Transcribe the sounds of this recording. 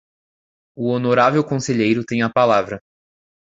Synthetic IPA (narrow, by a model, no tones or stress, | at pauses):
ʊonoɾavewkõseʎejɾʊt̪ẽj̃ɐpalavɾɐ